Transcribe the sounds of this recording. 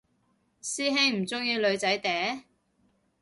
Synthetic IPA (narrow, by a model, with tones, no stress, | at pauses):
siː˥ɦe˥ŋm̩˨˩t͡sʊ˥ŋjiː˧lɵ˨˧ɥt͡sɐ˨˥jt̪ɛː˨˥